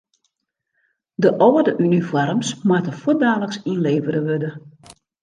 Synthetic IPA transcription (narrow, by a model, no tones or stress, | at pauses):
dəʔɔwədəʔynifɔrmsmwatəfudaːləksinleːvəɾəʋødə